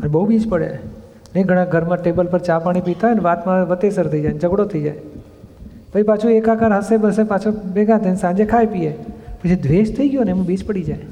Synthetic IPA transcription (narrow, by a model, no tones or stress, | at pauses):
ənbəɦubid͡ʒpəɽḛ | neɡʱəɽ̃ãɡʱəɾmãʈebəlpəɾt͡ʃãpaɽ̃ipit̪aəneʋat̪mãʋət̪esəɾt̪ʰəid͡ʒajnd͡ʒəɡɽot̪ʰəid͡ʒa̰j | pət͡ʃʰipat͡ʃʰuekakəɾɦəsebəsepat͡ʃʰobeɡãt̪ʰənsãnd͡ʒekʰajpiepət͡ʃʰid̪ʋeʃt̪ʰəiɡjonemũbid͡ʒpəɽid͡ʒaj